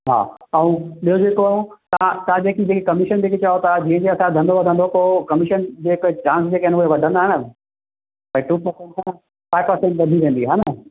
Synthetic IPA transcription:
ɦa̰ːɐũɗijod͡ʑeːkoaːɦot̪ɐãt̪ɐãd͡ʑeːkid͡ʑeːkekɐmɪʃənd͡ʑeːket͡ɕaːot̪ʰad͡ʑĩːɦə̃ɲd͡ʑeɐsãd̪ʱɐ̃nd̪oʋɐd̪ʱə̃nd̪opoːkɐmɪʃənd͡ʑeːɪkt͡ɕãːnsd͡ʑeːkɐɦɪnʊɦeʋɐɖʱə̃nd̪aːɦɪnə | pɐʈuːpɐɾsɛ̃ɳʈɦãn | faːɪʋpɐɾsɛ̃ɳʈʋɐd̪ʱiʋẽːnd̪iɦãːnɐ

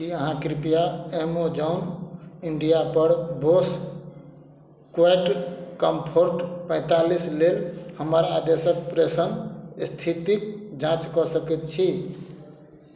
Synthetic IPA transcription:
kiəɦãkɾipijaemod͡ʒaʊniɳɖijapəɾbos | kaʈkəmpʰoɾʈpə̃ɪ̃t̪alislelhəməɾad̪esək̚pɾesənst̪ʰit̪ik̚d͡ʒãt͡ʃkɔsəkɛt̪̚t͡ʃʰi

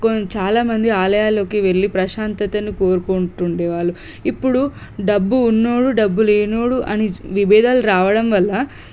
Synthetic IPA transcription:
kont͡ʃaːlaːmɐnd̪iaːlɐjaːlo̞ːkiʋe̞ɭːipɾɐʃaːnt̪ɐt̪ɐnːiko̞ːɾukuɳʈuɳɖeːʋaːɭːu | ipːuɽu | ɖɐbːuːnːoːɽuɖɐbːuleːnoːɽuʔɐniʋibɛːd̪ʱaːluɾaːʋɐɽɐmʋɐlːɐ

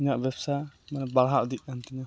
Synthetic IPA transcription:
iɲaʔbɛbsamanɛbaɽɦaʔd̪iʔ̚kant̪iɲa

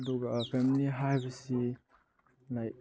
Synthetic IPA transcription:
dɔɡapʰemiliɦajbɐsi | lajk̚

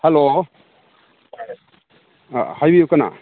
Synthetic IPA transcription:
helo | hajbiukana̰

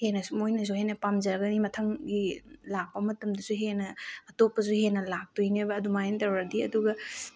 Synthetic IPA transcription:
henɐsumojnɐsuhenɐpamzɐɾɐɡɐnimɐtʰɐŋɡilak̚pɐmɐtɐmdɐsuɦenɐːtopːɐsuhenɐlak̚tojnebɐːdumajentɐwɾɐdiɐ̰duɡɐ

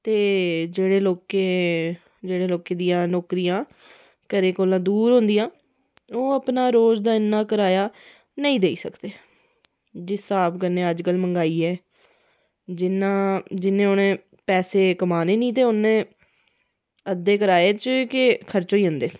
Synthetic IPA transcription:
t̪eːd͡ʒeːɽeːloːkeː | d͡ʒeːɽeːloːkeːd̪ijãːnoːkɾijãː | kəɾeːkoːlãːd̪uːɾɦõːnd̪ijãː | oːəpnaːɾoːd͡ʒd̪aːɪnːaːkəɾaːjaː | nəĩːd̪eːiːsəkd̪eː | d͡ʒɪst̪aːpkənːẽːəd͡ʒkəlməŋɡaːiːɛː | d͡ʒɪnãːd͡ʒɪnẽːonẽː | pɛːseːkəmaːneːnĩːt̪̬eːʊnẽː | əd̪eːkəɾaːeːt͡ʃəkɪkʰəɾt͡ʃoːiːənd̪eː

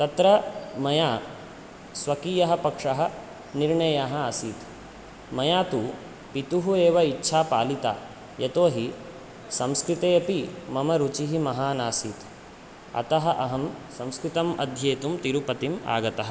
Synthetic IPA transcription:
t̪ɐt̪ɾɐmɐjaː | sʋɐkiːjɐɦɐpɐkʂɐɦɐ̆ | niɾɳɐjaɦɐɐsiːt̪ | mɐjaːt̪u | pit̪uɦueːʋɐitːʃʰaːpa̰ːlit̪a̰ː | jɐt̪oːɦi | sɐmskɾit̪eːɐpimɐmɐɾut͡ʃiɦimɐɦaːnaːsiːt̪ | ɐ̰t̪ɐɦɐʔɐɦɐmsɐ̃mskɾit̪ɐmɐ̰d̪ʱjeːt̪umt̪iɾupɐt̪ima̰ːɡɐt̪ɐɦɐ

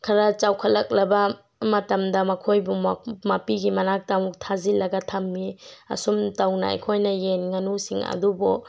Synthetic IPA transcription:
kʰɐɾat͡ʃawkʰɐlɐk̚lɐbɐ | mɐtɐmdɐmɐkʰojbumapiɡimɐnak̚tawtʰazilɐɡɐtʰɐmːiɐ̰sumtawnɐ̰a̰jkʰojnɐjenŋɐnusiŋɐ̰dubɔ

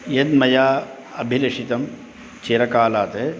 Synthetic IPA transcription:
jed̪mɐjaː | ɐbʱilɐʂit̪ɐm | t͡ʃeɾɐkaːlaːt̪e

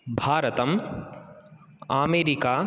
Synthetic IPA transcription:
bʱaːɾɐt̪ɐm | aːmeːɾikaː

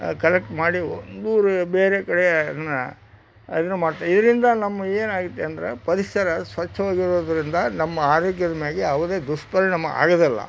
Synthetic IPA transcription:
kɐlek̚ʈmaːɽiond̪uːɾubeːɾekɐɽejɐnːɐ | ɐnːumaːɽt̪aːɾid̪ɐɾind̪ɐnɐmːɐeːnaːɡut̪ːeɐnd̪ɐɾḛpɐɾiʂɐɾɐsʋɐt͡ʃʰːɐʋaːɡiɾoːd̪ɐɾind̪ɐnɐmːɐaːɾoːkjɐd̪ɐmjaːɡiɐʋɐd̪eːd̪uʂpɐɾɐnɐmːɐa̰ːɡɐd̪ilːɐ̰

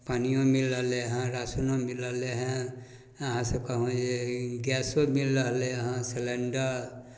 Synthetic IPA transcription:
panijõmilːəɦleɦãɾasunõmiləɦleɦã | əɦãsekɔɦõeɡjasomilːəɦleɦãseleɳɖəɾ

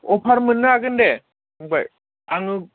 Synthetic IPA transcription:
ɔpʰaɾmɯnːɯaɡɯnde | ŋbaj | aŋɯ

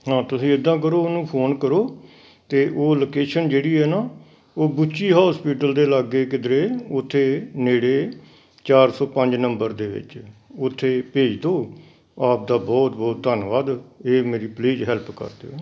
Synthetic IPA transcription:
ɦãːt̪ʊsĩːɪd̪ːãːk̬əɾoːnũːpʰoːnkəɾoː | t̪eːʔoːloːkeːʃənd͡ʒeːɽiːɦɛːnaː | oːbʊt͡ʃiːɦaːspiːʈəld̪eːləɡeːkɪd̪ɾeːʊt̪ʰːeːneːɽeː | t͡ʃaːɾsɔːpəɲd͡ʒnəmbəɾd̪eːʋɪ̰t͡ʃʊt̪ʰːeːpeːd͡ʒd̪oː | aːp̚d̪aːbɔːt̪bɔːt̪̚d̪ənʋaːd̪eːmeːɾiːpleːd͡ʒɦɛlpkə̰ɾd̪ḛoː

